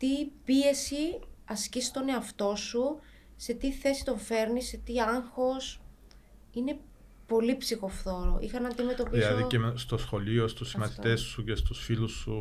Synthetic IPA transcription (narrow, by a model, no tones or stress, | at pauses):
t̪ipie̞siɐscist̪o̞ne̞ɐft̪o̞su | se̞t̪iθe̞si̥t̪o̞ɱfe̞ɾniset̪iɐŋxo̞s | ine̞ | po̞lipsixo̞fθo̞ɾo̰ʔḭxɐnɐnd̪ime̞t̪o̞piilɐðiest̪o̞sxo̞lio̞st̪usːimɐθit̪esːucest̪usfilusːu